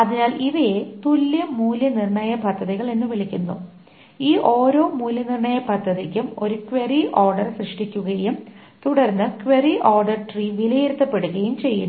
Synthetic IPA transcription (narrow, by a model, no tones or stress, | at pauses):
ɐðinaːliʋɐjet̪ulːjɐmuːljɐnirɳɐjɐpɐd̪ʱːɐðiɣɐɭenːɨʋiɭikʲːunːu | iːʔo̞ːɾo̞ːmuːlɐnirɳɐjɐpɐd̪ʱːɐðikʲːumo̞ɾukʋeriʔoːrɖɐrsrɨʂʈikʲːuɣɐjum | t̪uɽɐrnːɨkʋeriʔoːrɖɐrʈriːʋilɐjeɾut̪ːɐpːe̞ɽuɣɐjumt͡ɕe̞jːu